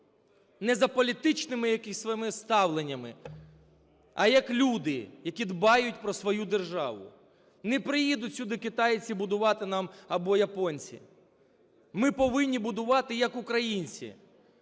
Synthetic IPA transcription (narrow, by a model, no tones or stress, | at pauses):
nɛzɐpɔlʲit̪ɪt͡ʃnɪmɪjɐkɪsʲsʋɪmɪst̪ɑwlˠenʲːɐmɪ | ɐ̰jɐklʲud̪ɪjɐkʲid̪bɑjʊt̚ʲpɾɔsʋɔjud̪erʒɑ̰ʋʊ̰ | nɛpɾɪjid̪ʊtʲsʲʊd̪ɪkɪt̪ɑjt͡sʲibʊd̪ʊʋɑt̪ɪnɑmɐbɔjɐpɔnʲt͡sʲḭ | mɪpɔʋɪnʲːibʊd̪ʊʋɑt̪ɪjɐkʊkɾɐjinʲt͡sʲḭ